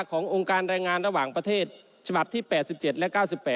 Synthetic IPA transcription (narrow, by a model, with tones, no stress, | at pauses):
kʰɔː˩˦ŋʔo˧ŋkaː˧nɾaː˧jŋaː˧nɾa˧waː˨˩ŋpɾa˧t̪ʰeː˥˩t̪̚ | t͡ɕʰa˧ba˨˩p̚t̪ʰiː˥˩pɛː˨˩t̪̚si˨˩p̚t͡ɕe˨˩t̪̚lɛ˦˥ʔkaː˥˩wsi˨˩pːɛː˨˩